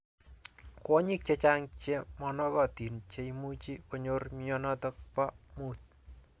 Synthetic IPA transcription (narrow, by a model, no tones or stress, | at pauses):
kɔɲik̚t͡ʃet͡ʃaŋt͡ʃemɔnɔkɔtint͡ʃeimut͡ʃikoɲormiɔnɔtɔk̚pamut̚